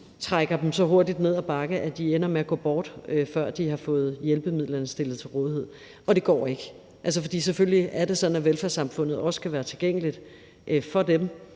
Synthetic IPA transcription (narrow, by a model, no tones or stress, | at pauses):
t͡sʰʁaɡ̥ɐd̥em̩sɒ̽ɦo̝ɐdid̥ne̝ð̞̰ˠɐb̥ɑ̈ɡ̥əʔæd̥ienɐmeæɡ̥ɔ̰̽ːb̥ɒːd̥øfɶɐ̰d̥ihɑ̈fɔ̽ːð̞̩ˠjelb̥əmið̞̰ˠlɐnəsd̥e̝lð̩ˠt͡sʰe̝lʁɔ̽ːð̞ˠhe̝ð̰ˠ | ɒ̽d̥e̝ɡ̥ɒ̰ːe̝ɡ̥ | ʔæls̬əfɒ̽d̥ḭːsefølliæɐd̥e̝sɒ̽dnæʋelfæɐsɑ̈mfɔ̽n̰ð̩ˠɒ̽sə̥kʰæʋæːɐt͡sʰe̝lɡ̥eŋ̰əlid̥ | ʔfɒ̽d̥em